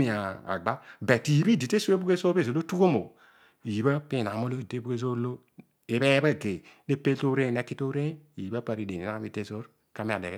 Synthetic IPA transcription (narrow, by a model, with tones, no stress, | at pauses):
i˦a˨a̰˨ɡ͡ba˦bɛ˨ti˨ji˨bi˦˨di˨te˦su˦e˦bu˦ɡe˦so˦pe˦zo˨lo˦tu˦ko˦mo˨ | ji˨ba˦pi˦˨na˨mo˦lo˦˨i˨te˦bu˦ɡe˦zo˦lo˦ | e˨be˦ba˦˨ɡe˨˦ne˦pe˦to˦ɾe˦˨ne˦ki˦to˦ɾe˦i˨ji˨ba˦pa˦˨ɾi˦de˨ni˨a˦mi˦˨te˦zo˦ɾ | ka˦mi˦a˨de˨˦